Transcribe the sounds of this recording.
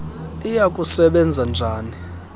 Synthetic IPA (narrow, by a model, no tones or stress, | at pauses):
ijakʼusɛɓɛnd͡zʱand͡ʒʱaːni